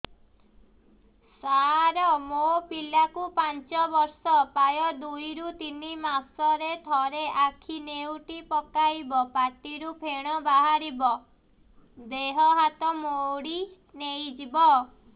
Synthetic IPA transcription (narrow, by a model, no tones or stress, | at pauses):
saɾɔmopilakupant͡ʃɔbɔɾsɔpajɔd̪ujɾut̪inimasɔɾet̪ʰɔɾeʔakʰinewʈipɔkajbɔpaʈiɾupʰeɽ̃ɔbaɦaɾibɔ | d̪eɦɔɦat̪ɔmoɽi | nejd͡ʒibɔ